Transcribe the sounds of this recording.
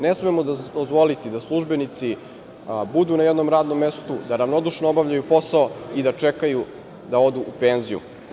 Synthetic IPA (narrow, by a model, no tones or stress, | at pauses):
nesmemod̪d̪ozʋo̞lit̪id̪aslˠuʒbe̞nit̪si | bud̪unajed̪no̞mɾaːd̪no̞mːe̞st̪ud̪aɾaʋno̞d̪uʃnoobavʎajupo̞saoid̪at͡ʃekaju | d̪ao̞d̪uʔupe̞ːnzijṵ